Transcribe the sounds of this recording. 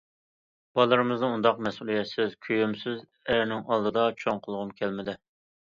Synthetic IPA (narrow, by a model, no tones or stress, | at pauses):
b̥ɑlˠɨɾɨmɨznɨund̪ɑqmɛsulˠijɛt̪sɪzkʲʰyjymsɪz | æɾnɪŋɑlˠd̪ɨd̪ɑt͡ʃʰoŋqʰəlˠʁʊmkʲʰɛlmɪd̪ɪ